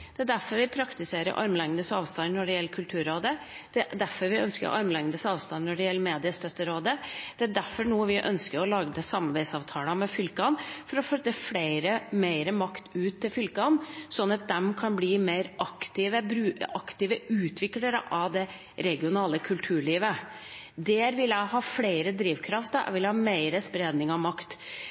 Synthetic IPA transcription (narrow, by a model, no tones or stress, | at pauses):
d̪̥ɛæd̪æɾfɔɾʋɪpʰɾɑkt̪ɪseːɾə̰ɾʔɑɾməlɛŋnəsɑːʋst̪ɑnnɔɖɛjɛlːəkʰʉlt̪ʰʉːɾoːd̪ə | d̪̥ɛd̪æfɔɾʋɪœ̰nskəɾɔ̰ʔɑɾmlɛŋd̪əsɑːʋst̪ɑnnɔɖɛjɛlːəmeːd̪ɪəst̪œt̪ːəɾoːd̪əd̪̥ɛæɖ̪æɾfɔɾɳuːʋɪʔœ̰nskəɾɔlɑːɡəd̪ɛsɑmɑɾbɛɪsɑːʋt̪ʰɑːlɑmɛfʏlkɑnfɔɾɔfœt̪ːəfleɪɾəmeɪɾəmɑkt̪ʉːt̪ʰːɪlfʏlkɑnsɔnːɑt̪̚d̪ɛmkʰɑnbliːmeɪɾʔɑkt̪ɪʋəbɾʉːɑkt̪ɪʋəʉːt̪ʰʋɪkləɾəʔɑʋd̪ɛ | ɾɛɡɪʊnɑːləkʰʉlt̪ʰʉːɭiːʋə | d̪ɛɾʋɪlːəɦɑːfleɪɾəd̪ɾiːʋkʰɾɑft̪ə̰ʋɪlhɑːmeɪɾəspɾeːd̪nɪŋɑʋmɑkt̪